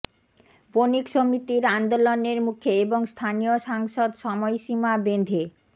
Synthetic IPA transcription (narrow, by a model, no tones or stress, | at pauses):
ponikʃomit̪iɾand̪oloneɾmukʰeeboŋst̪ʰanioʃaŋʃod̪ʃɔmɔjʃimabend̪ʱe